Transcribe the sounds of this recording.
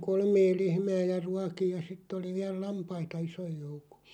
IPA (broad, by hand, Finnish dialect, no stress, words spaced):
kolmeː lehmæː jɑ ruɑkij jɑ sitː oli ʋiæl lɑmpɑitɑ isoj jouko̥